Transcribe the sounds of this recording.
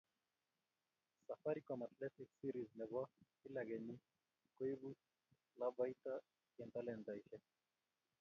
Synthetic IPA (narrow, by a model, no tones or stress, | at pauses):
safaɾikwamat̪lɛtiksiɾiznɛβwa | ilaɣɛɲi | kwiβu | lavaita | ɛntalɛnzaiʃɛ